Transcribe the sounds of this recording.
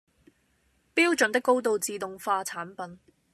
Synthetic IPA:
piː˥wt͡ʃɵ˨nt̪ɪ˥kːo˥wt̪o˨wt͡siː˨t̪ʊ˨ŋfaː˧t͡sʰaː˨˥npɐ˨n

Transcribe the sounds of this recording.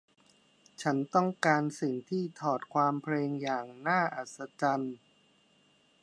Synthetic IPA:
t͡ɕʰa˦˥nt̪ɔ˥˩ŋkaː˧nsi˨˩ŋt̪ʰiː˥˩t̪ʰɔː˨˩t̪̚kʰwaː˧mpʰleː˧ŋjaː˨˩ŋnaː˥˩ʔa˨˩t̪̚sa˧t͡ɕa˧n

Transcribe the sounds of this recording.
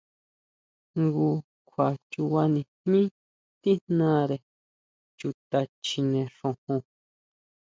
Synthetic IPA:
ŋɡu˧ | kʷʰa˨t͡ʃu˧wa˧nĩ˧n̥nĩ˦ | t̪i˦nnã˦ɾe˨ | t͡ʃu˧t̪a˧t͡ʃi˧nẽ˧ʂõ˧hũ˧

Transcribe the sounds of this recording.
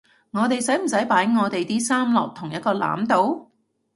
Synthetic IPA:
ŋɔː˨˧t̪e˨jsɐ˨˥jm̩˨˩sɐ˨˥jpaː˨˥jŋɔː˨˧t̪e˨jt̪iː˥saː˥mlɔ̰ː˨k̚t̪ʰʊ˨˩ŋjɐ˥t̪̚kɔː˧la̰ː˨˥mt̪o˨˧w

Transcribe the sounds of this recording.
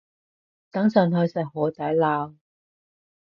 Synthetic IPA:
t̪ɐ˨˥ŋsœ˨˩nhɵ˨˧sɐ˨˩hɔː˨˥t̪ɐ˨˥laː˧w

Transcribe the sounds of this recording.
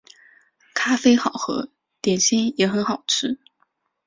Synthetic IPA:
kʰa˥fe˥ɪxɑ˨˩ʊxɤ̰˧˥ | t̪jɛ˨˩nɕɛ˥njɛ˨˧˥xə˧˥nxɑ˨˩ʊʈ͡ʂʰɻ̩˥

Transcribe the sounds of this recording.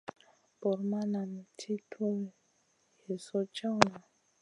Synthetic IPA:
bɔ˨ɾma˦na˨mi˨tʰi˦tʰo˦˨ | he˨sɔ˦t͡ʃa˦wna˨

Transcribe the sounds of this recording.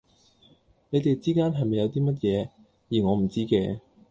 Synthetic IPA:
ne˨˧jt̪e˨jt͡siː˥kaː˥nɦɐ˨jmɐ˨jɐ˨˧wt̪̬iː˥mɐ˥t̬̚jɛː˨˧ | jiː˨˩ŋɔː˨˧m̩˨˩t͡siː˥kɛː˧

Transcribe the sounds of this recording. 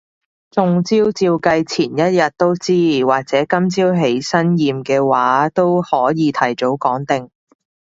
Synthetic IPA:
t͡sʊ˨˧ŋt͡siː˥wt͡siː˧wkɐ˧jt͡sʰiː˨˩njɐ˥t̚jɐ˨t̚t̪o˥wt͡siː˥waː˨k̚t͡sɛː˨˥kɐ˥mt͡siː˥wɦe˨˥jsɐ˥njiː˨mkɛː˧waː˨˥t̪o˥whɔː˨˥jiː˨˧t̪ʰɐ˨˩jt͡so˨˥wkɔː˨˥ŋt̪ɪ˨ŋ

